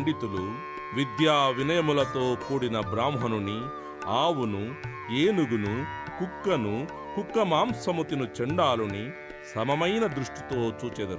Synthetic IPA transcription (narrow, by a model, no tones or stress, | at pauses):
ɳɖit̪ulu | ʋid̪jaːʋinɐjɐmulɐt̪o̞ːkuːɽinɐbɾaːmɦɐnuni | aːwunu | eːnuɡunukukːɐnu | kukːɐmaːmsɐmut̪inut͡ʃɛɳɖaːluni | sɐmɐmɐjnɐd̪ɾuʂʈit̪o̞ːt͡ʃuːt͡ʃeːd̪ɐɾ